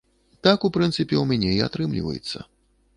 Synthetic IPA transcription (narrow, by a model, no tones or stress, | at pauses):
t̪akupɾɨnt̪sɨpʲɛumʲanʲɛia̰t̪ɾɨmlʲḭvɐ̰jɛ̰t̪sːɐ̰